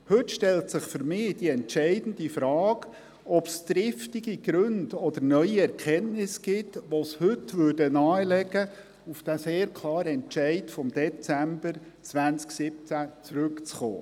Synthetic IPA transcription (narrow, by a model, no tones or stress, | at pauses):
hɵtʃtɛltsɪχfʏɾmɪːd̥iɛntʃɛɪdn̩difɾɑːɡ | ɔpst̪ɾɪftiɡ̥iɡ̥ɾɵndɔd̥̪əɾnœʏiɛɾkʰɛnnɪsɡ̥ɪtʋoshɵtʋʏːɾdənɑːəlɛɡə | ufd̥aseːɾkʰlˠɑːɾəɛnt͡ʃɛɪtfɔmd̪ɛt͡sæmbəɾ | t͡svænt͡sksɪp̚t͡sæt͡sɾʉkt͡sχo̰ː